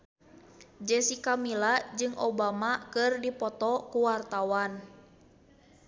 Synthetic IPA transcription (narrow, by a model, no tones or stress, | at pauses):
d͡ʒɛsikamilad͡ʒɨŋʔobamakɨrdipɔt̪ɔkuwart̪awan